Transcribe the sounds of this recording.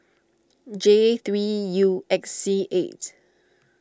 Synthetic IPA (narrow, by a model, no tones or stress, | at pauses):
d͡ʒet̪ɹijuɛksːiʔet